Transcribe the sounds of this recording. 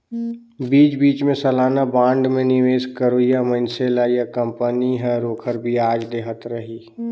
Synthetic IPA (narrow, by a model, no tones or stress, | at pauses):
biːt͡ʃbiːt͡ʃmẽsəlaːnabãːɳɖmẽnɪʋeːskəɾojamə̃nseːlajakə̃mpəniɦɛɾoːkʰəɾbʱiaːd͡ʒd̪eːɦət̪ɾəɦiː